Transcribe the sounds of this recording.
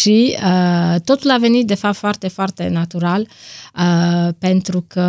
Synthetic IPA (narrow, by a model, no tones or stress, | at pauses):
ʃiət̪ot̪ulavenid̪efafoart̪efowart̪ḛnat̪uɾaləpent̪ɾukʰə